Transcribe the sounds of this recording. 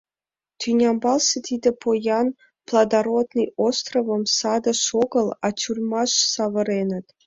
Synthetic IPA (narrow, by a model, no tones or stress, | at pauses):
t̪ʰynʲɑmbɑlˠsĕt̪ʰʲid̪ɘ̆pʰojɑn | plˠɑd̪ɑɾot̪nɨjost̪rovɤ̆msɑd̪ɤ̆ʃoɡɤ̆lˠɑt͡ɕurmɑʂsɑʋɤ̆ɾenɘ̆t̪ʲ